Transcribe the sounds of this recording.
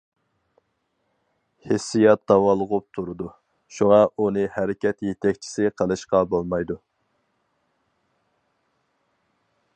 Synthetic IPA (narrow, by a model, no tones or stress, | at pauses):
hesːijɑt̪̚d̪ɑwɑlˠːʁʊp̚t̪ʰuɾɨd̪u | ʃuŋɑʔunɨhæɾɪkʲɛt̪jet̪ʰɛkʲt͡ʃʰi̥sɪqʰəlˠɨʃqɑbolˠmɑjd̪u